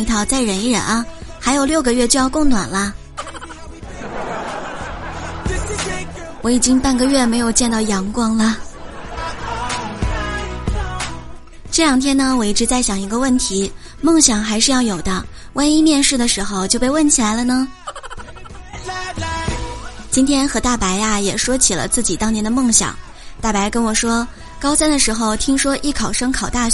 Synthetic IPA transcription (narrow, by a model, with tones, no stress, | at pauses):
i˧˥t̪ʰɑ˥˩ʊt͡sa˥˩ɪɻə˧˥ni˥ɻə̰˧˥˦nɐ˧˩xa˧˥ɪjo˨˩ʊljo˥˩ʊɡə˧ɥɛ˥˧t͡ɕjo˥˧jɑ˥˧ʊkʊ˥˩ŋnwa̰˨˩nlə˦ | wɔ˧˥i˨˩t͡ɕi˥ŋpa˥˩nɡə˧ɥɛ˥˩me˧˥ɪjo˨˩ʊt͡ɕjɛ˥˧nt̪ɑ˥˩ʊjɑ˧˥ŋkwɑ˥ŋlə˨ | ʈ͡ʂɤ˥˩ljɑ˨˩ŋt̪ʰjɛ˥nə˧wɔ˨˩i˥˩ʈ͡ʂɻ̩˧˥t͡sa˥˩ɪɕjɑ˨˩ŋi˧˥ɡə˧wə˥˩nt̪ʰi˧˥ | mɤ˥˩ŋɕjɑ˨˩ŋxa˧˥ɪʂɻ̩˥˧jɑ˥˩ʊjo˨˩ʊd̪ə˦ | wʔa˥ni˥mjɛ˥˧nʂɻ̩˥˩d̪ə˩ʂɻ̩˧˥xo˧ʊt͡ɕjo˥˧ʊpe˥˧ɪwə˥˩nt͡ɕʰi˨la˧˥ɪlə˧nə˧ | t͡ɕi˥nt̪ʰjɛ˥nxɤ˧˥t̪a˥˩pa˧˥ɪa˧jɛ˨˩ʂwɔ˥t͡ɕʰi˨˩lə̰˦t͡sɹ̩˥˩t͡ɕi˨˩t̪ɑ˥ŋjɛ˧˥nd̪ə˧mɤ˥˩ŋɕjɑ̰˨˩˦ŋ | t̪a˥˩pa˧˥ɪkə˥nwɔ˨˩ʂwɔ˥ | kɑ˥ʊsa˥nd̪ə˨ʂɻ̩˧˥xo˧ʊt̪ʰi˥ŋʂwɔ˥ʔi˥˩kʰɑ˨˩ʊʂɤ˥ŋkʰɑ˨˩ʊt̪a˥˩